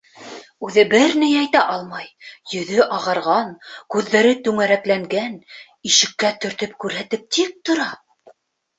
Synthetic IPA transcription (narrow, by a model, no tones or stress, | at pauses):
ʉðɘbɘɾnɘjɑjt̪æʔɑlˠmɑjjɵ̆ðɵʔɑʁɑɾʁɑnkʉðːæɾɘt̪ʉŋæɾæklæŋɡæn | iʃɘ̆kːæt̪ɵ̆ɾt̪ɵp̚kʉɾɦæt̪ɘp̚t̪ik̚t̪ŏɾɑ